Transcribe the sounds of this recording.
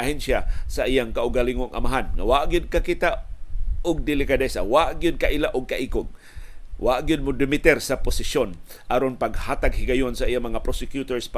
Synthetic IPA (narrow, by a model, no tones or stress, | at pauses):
ʔahɛnʃjasaʔijaŋkaʔʊɡaliŋʊŋʔa̰maɦanŋawaʔɡɪd̪̚kakit̪a | ʊɡ̚d̪ɪlɪkad̪ɛsa̰waʔɡjʊd̪̚kaʔilaʔʊɡ̚kaʔiːkʊɡ̚ | wa̰ʔɡjʊd̪̚mʊd̪ɪmɪt̪ɛɾsapʊsɪʃon | ʔaɾonpaɡhaːt̪aɡ̚hɪɡajonsaʔijaŋmɐŋapɾosɪkjut̪oɹsp